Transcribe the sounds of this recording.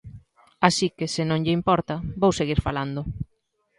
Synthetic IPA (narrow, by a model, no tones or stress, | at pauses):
asikesɪnõŋʎɪimpɔɾt̪ɐbowseɣiɾfaland̪ʊ